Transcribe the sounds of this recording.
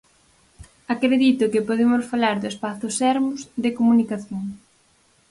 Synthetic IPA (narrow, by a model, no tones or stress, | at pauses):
akɾeðit̪ʊkɪpoðemʊsfalaɾðʊespaθʊsɛɾmʊzðɪkomunikaθjoŋ